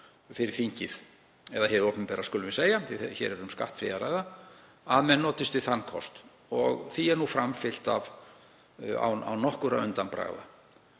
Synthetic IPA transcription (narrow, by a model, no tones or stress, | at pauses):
fɪɾɪɾ̥θiɲcɪð | ɛðahɛɾɔpnɪmpɛɾaskʏːlʏmvɪseːjaθɪçɛ̰ɾɛɾʏmska̰ht̪fɾɪ̰aɾaːjɣða | aðmɛnːɔːt̪ɪst̪vɪðθanːkʰɔ̰st̪ | ɔɣθiɛɾnufɾamfɪl̥t̪a̰v | a̰wa̰wnɔhkʏɾavʏ̰nt̪anpɾa̰ɣða̰